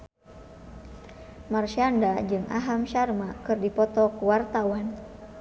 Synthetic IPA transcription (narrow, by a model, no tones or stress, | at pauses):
marʃiandad͡ʒɨŋʔa̰ɦamʃarmakɨrdipɔt̪ɔkuwart̪awan